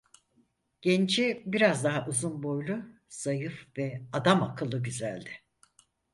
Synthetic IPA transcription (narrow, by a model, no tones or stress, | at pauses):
ɟ̥ɛnt͡ʃʰibiɾazd̪aɦaʔuzunbo̞jlˠʊ | sajɯfvɛad̪amakʰɯlˠːɯɟyzælʲd̪ɪ̥